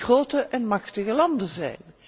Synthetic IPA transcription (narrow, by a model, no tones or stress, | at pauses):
roːtəʔɛnmɑχtəɣəlɑndənzɛ̰jn